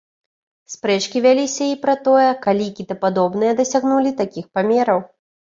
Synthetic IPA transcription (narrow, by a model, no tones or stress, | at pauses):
spɾɛt͡ʂkʲivʲalʲisʲɐipɾɐt̪ɔjɛkalʲikʲit̪ɐpad̪ɔbn̪ɨjɛd̪ɐsʲaɣnulʲit̪akʲixpamʲɛɾɐw